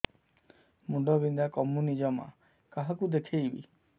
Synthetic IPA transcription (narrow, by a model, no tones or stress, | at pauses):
muɖɔbind̪akɔmunid͡ʒɔma̰ | kaɦakud̪ekʰejbḭ